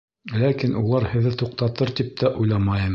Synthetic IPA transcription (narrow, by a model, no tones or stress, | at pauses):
lækinʔulˠɑɾhɘ̆ðɘt̪uq̚t̪ɑt̪ɤɾt̪ip̚t̪ʰæʔujlˠɑmɑjɤm